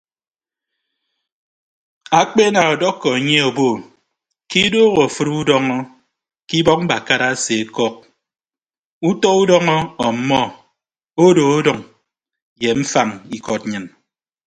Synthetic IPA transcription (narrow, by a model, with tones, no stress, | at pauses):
a˨k͡pe˦na˨ɔ˨dɔ˦kːɔ˨e˨ɲe˦o˨bo˦˨ | ki˦do˦ɣo˨fɨ˦ɾu˦dɔ˦ŋɔ˦ | ki˦bɔ˦k̚m̩˦ba˨ka˦ɾa˦se˨e˦kɔ˦k̚ | u˦tɔ˦u˦dɔ˦ŋɔ˦ɔ˨m̩˨˦mɔ˦ | o˦do˨o˦dɔ˨ŋ | je˨m̩˦fa˦˨ŋi˨kɔ˨t̚ɲɨ˨n